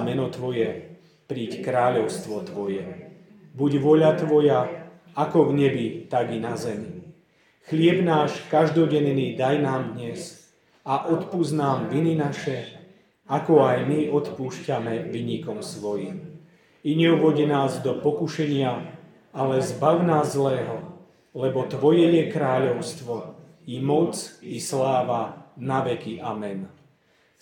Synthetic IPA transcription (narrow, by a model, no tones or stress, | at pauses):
mɛnɔt̪ʋɔjɛ | pɾiːckɾaːʎɔʊst̪ʋɔt̪ʋɔjɛ | buɟʋɔʎat̪ʋɔja | akɔvɲɛbit̪aɡinazɛmi | xʎɪɛbnaːʃkaʒd̪ɔɟɛnniːd̪ajnaːmd̪ɲɛs | aʔɔt̪puznaːmʋininaʃɛ | akɔajmiɔt̪puːʃcamɛʋiɲikɔmsʋɔjim | iɲɛuʋɔɟinaːzd̪ɔpɔkuʃɛɲɪa | alɛzbaʊnaːzːlɛːɦɔ | lɛbɔt̪ʋɔjɛɲɛkɾaːʎɔʊst̪ʋɔ | imɔt͡sislaːʋanaʋɛkiʔamɛn